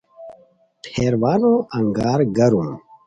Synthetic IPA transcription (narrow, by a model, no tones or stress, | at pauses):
ʈʰeːɾwaːnõːʔɐŋɡaːɾɡɐɾũː